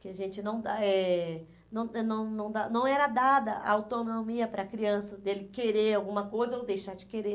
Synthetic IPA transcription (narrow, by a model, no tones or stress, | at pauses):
kɪaʒẽt͡ʃɪnɐ̃w̃d̪aɛ | nɐ̃w̃ɛnɐ̃w̃nɐ̃w̃d̪anɐ̃w̃ɛɾɐd̪ad̪ɐa̰awt̪onnomiɐpɾɐkɾiɐ̃sɐd̪elɪkeɾeɾawɡũmɐkojzɐowd̪ejʃaɾd͡ʒɪkeɾe